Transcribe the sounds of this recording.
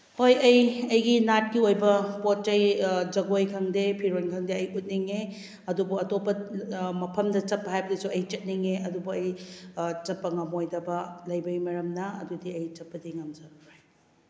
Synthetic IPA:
hojɐjɐjɡinat̚kiojbɐpotːɐjd͡ʒɐɡojkʰɐŋdepʰiɾojnkʰɐŋdeɐjut̚niŋe | ɐdubuɐtopːɐmɐpʰɐmdɐt͡ʃɐpːɐɦajbɐdisuɐjt͡ʃɐt̚niŋeʔɐdubɐɐj | t͡ʃɐpːɐŋɐmojdɐbɐlɐjbɐɡimɐɾɐmnɐɐ̰dudiɐjt͡ʃɐpːɐdiŋɐmd͡ʒɐɾoj

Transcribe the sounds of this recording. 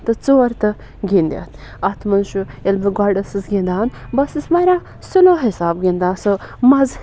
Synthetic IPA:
t̪ɨt͡soːɾt̪ɨ | ɡʲind̪ʲɐ̰t̪ʰ | ɐt̪ʰmɐnʃuelbɐɡaɖɐsɨsɡʲind̪aːn | bɐsismɐɾãː | suloːɦisaːbɡʲind̪aːsɨmɐz

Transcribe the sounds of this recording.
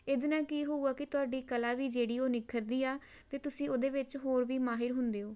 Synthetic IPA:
ɪd̪nãːkiːɦuːaːkɪt̪ʊaːɖiːkəlaːʋiːd͡ʒeːɽiːoːnɪkʰːəɾd̪iːaː | t̪eːt̪ʊsĩːoːd̪eːʋɪt͡ʃɦoːɾʋiːmaːɦɪɾɦʊnd̪eːoː

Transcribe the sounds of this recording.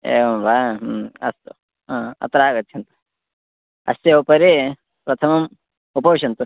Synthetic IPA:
ḛːʋɐmbʱaːɐst̪ṵ | ɦãːɐ̰t̪ɾaːɡɐt̪ːt͡ʃʰjɐnt̪u̥ | ɐ̰st̪jeupɐɾe | pɾɐt̪ʰɐmɐm | upɐʋʃɐnt̪u

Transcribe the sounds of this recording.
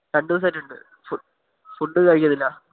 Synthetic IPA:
kɐɳɖɨðs̬ɐːtːuɳɖɨ̰ | fu | fuɳɖɨkɐɻikʲːɐðilːɐ

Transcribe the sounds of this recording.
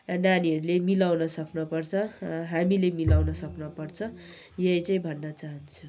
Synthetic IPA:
naniɦʌɾulemilawnʌsʌknʌpʌrt͡sʰʌ̃ɦamilemilawnʌsʌknʌpʌrt͡sʰʌ | jʌjt͡saĩbʱʌnːʌt͡saɦʌnt͡sʰu̥

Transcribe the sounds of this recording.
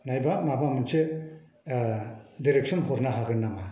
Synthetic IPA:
najbamabamɯnsɯ | diɾek̚sɔnɦɔɾnaɦaɡɯnːama

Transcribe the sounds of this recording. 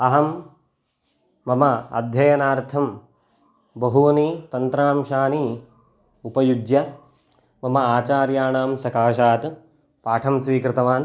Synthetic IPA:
ɐɦɐm | ɐmɐɐ̰d̪ʱjɐjɐnaːɾt̪ʰɐm | bɐɦuɐnit̪ɐnt̪ɾaːmʃaːni | upɐjud͡ʒjɐ | mɐmɐaːt͡ʃaːɾjaːnaːmsɐkaːʃaːt̪ | paːʈʰɐmsʋiːkɾɪt̪ɐʋaːn

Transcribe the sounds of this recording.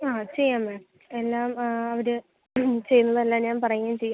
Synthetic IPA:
aːt͡ɕe̞jːaːmːeːm | elːaːmɐʋiɾɨ | t͡ɕejunːɐðelːaːɲaːnpɐrɐjuaːmt͡ɕejːaː

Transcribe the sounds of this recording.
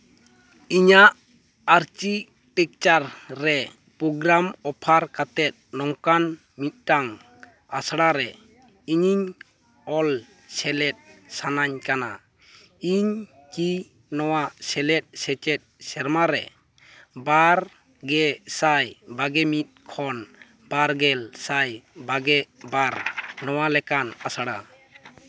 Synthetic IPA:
iɲaʔ | aɾt͡ʃi | ʈɛk̚t͡ʃaɾːɛ | pɾɔɡɾamɔpʰaɾkat̪ɛt̪̚nɔŋkan | mit̪̚ˀʈaŋ | asɽaɾɛ | iɲiɲ | ɔl | sɛlɛt̚sanaɲkana̰ | iɲ | ki | nɔwasɛlɛt̚sɛt͡ʃɛt̪̚sɛɾmaɾɛ̰ | baɾ | ɡɛsajbaɡɛmit̪̚kʰɔn | b̥aɾɡɛlsajbaɡɛbaɾnɔwalɛkanasaɽa

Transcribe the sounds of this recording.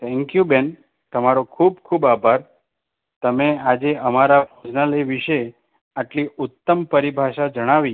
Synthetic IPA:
t̪ʰɛ̃ŋkjuben | t̪əmaɾokʰubkʰubabʱaɾ | t̪əmead͡ʒeʔəmaɾapod͡ʒnaləʋiʃe | aʈliʔʊt̪ːəmpəɾibʱaʃad͡ʒəɽ̃aʋi

